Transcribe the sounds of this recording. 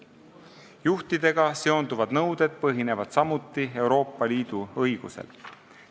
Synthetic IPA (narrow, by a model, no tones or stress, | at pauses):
juht̪id̪̥e̞ɡ̥ɑse̞o̞nd̪uvɑd̪̥nɤwd̪̥e̞d̪̥̚pɤɦine̞vɑd̪̥sɑmut̪ːˑie̞wɾo̞ːpːˑɑliːd̪̥uɤjɡ̥usḛl